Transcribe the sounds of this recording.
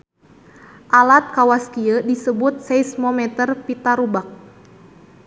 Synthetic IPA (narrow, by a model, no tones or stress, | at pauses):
ʔalat̪̚kawaskiədisəbʊt̪̚sɛjsmɔmɛt̪ərpit̪aɾubak̚